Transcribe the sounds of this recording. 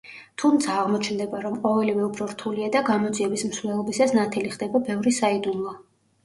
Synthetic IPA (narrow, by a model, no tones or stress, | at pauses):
t̪ʰumt̪sʰaːʁmɔt͡ʃʰnd̪ɛbaɾɔmqʼɔvɛlivɛupʰɾɔɾt̪ʰuliad̪aɡamɔd̪ziɛbismsvlɛlˠɔbisasnat̪ʰɛliχd̪ɛbabɛvɾisaid̪unlˠɔ